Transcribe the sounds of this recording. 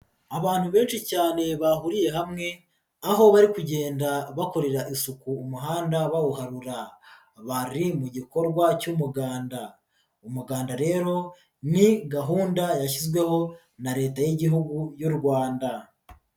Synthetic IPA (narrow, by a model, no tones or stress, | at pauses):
aβaːn̥huβe̞ːnʃicaːne̞βaɦuɾije̞ɦamŋe̞ | aɦo̞βaɾikuɟe̞ːndaβakoɾe̞ɾaʔisukuːmuɦaːndaβawuhaɾuɾa | βaɾimuɟiko̞ɾɡwacumuɡaːnda | umuɡaːndaɾe̞ːɾo̞ | niɡaɦuːndajaʃ̬izɡwe̞ho̞ | naɾe̞ːtajiɟiɦuɡujuɾɡwaːnda